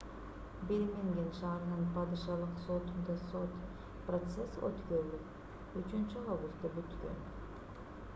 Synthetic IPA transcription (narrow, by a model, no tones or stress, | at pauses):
belmeŋɡʲenʃɑːɾɯnɯnpʰɑd̪ɯʃɑlˠɯqsot̪und̪ɑsot̪ | prot̪sesø̰t̪køɾylyp | yt͡ʃynt͡ʃyavɡust̪epyt̪kø̰n